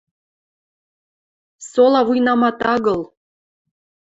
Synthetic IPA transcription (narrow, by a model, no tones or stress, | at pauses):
solɑβujnɑmɑt̪ɑɣɤ̆l